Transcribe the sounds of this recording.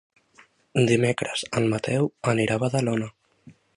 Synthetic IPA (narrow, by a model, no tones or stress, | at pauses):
nd̪imekɾasanmat̪ʰɛwaniɾʔaβaðalona